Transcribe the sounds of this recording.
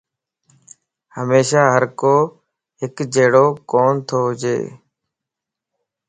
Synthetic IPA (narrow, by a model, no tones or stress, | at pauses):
həmeːʃaːɦəɾkoː | ɦɪkd͡ʒeːɽoːkoːnt̪ʰoːɦd͡ʒḛː